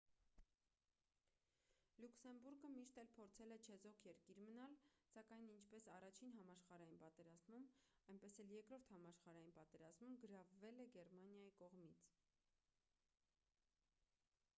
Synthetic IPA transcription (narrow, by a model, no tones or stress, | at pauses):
luksɛmbuɾɡəmiʃt̪ɛlpʰɔɾt͡sʰɛlɛt͡ʃʰɛzɔkʰjɛɾkiɾmənɑlsɑkɑjnint͡ʃʰpɛsɑrɑt͡ʃʰinɦɑmɑʃχɑɾɑjinpɑt̪ɛɾɑzmumɑjnpɛsɛljɛɾkɾɔɾt̪ʰhɑmɑʃχɑɾɑjinpɑt̪ɛɾɑzmumɡəɾɑvːɛlɛɡɛrmɑnjɑjikɔʁmit͡sʰ